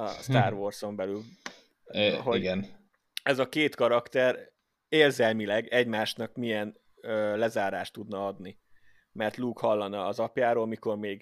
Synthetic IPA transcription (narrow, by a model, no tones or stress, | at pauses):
ɒst̪aːrʋorso̞mbɛlyl | ɦoɡɛn | ɛzɒkeːt̪kɒɾɒkt̪ɛɾ | eːrzɛlmilɛɡɛɟmaːʃnɒkmiɛn | øːlɛzaːɾaːʃt̪ːud̪nɒɒd̪ni | mɛrt̪luːkhɒlːɒnɒːzɒpjaːɾoːlmiko̞rmeːɡ